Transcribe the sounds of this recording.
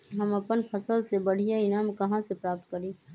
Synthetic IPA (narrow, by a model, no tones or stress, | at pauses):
ɦəməpənpʰəsəlsebəɽ̤ijaɪnaːmkəɦãsepɾaːp̚t̪̚kəɾĩ